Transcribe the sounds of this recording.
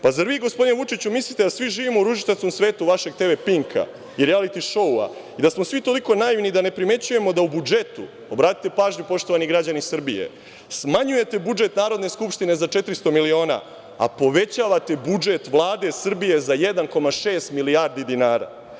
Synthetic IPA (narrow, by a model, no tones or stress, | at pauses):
pazaɾʋiːɡo̞spo̞d̪inʋut͡ʃit͡ɕumislit̪e̞d̪asʋiʒiːʋimouɾuʒit̪eskomsʋe̞ːt̪uʋaʃe̞ɡ̚t̪e̞ʋe̞piŋkʰa̰ | iɾialit̪iʃo̞ua̰id̪asmo̞sʋit̪o̞liko̞naiʋnid̪ane̞pɾime̞t͡ɕuje̞mo̞d̪aubud͡ʒe̞t̪ṵ | obɾaːt̪i̥t̪epaːʒɲupo̞ʃt̪o̞ʋaniɡɾad͡ʑanisr̩bijḛ | smaɲuje̞t̪e̞bud͡ʒe̞t̪naːɾo̞d̪ne̞skupʃt̪ine̞zat͡ʃe̞t̪ɾist̪o̞milio̞ːna̰ | a̰po̞ʋe̞t͡ɕaːʋat̪e̞bud͡ʒe̞t̪ʋlˠaːd̪e̞sr̩bije̞zajed̪anko̞maʃe̞ːst̪milijaɾd̪id̪inaːɾa̰ː